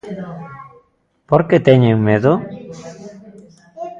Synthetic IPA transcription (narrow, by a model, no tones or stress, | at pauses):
poɾket̪eɲeŋmeðo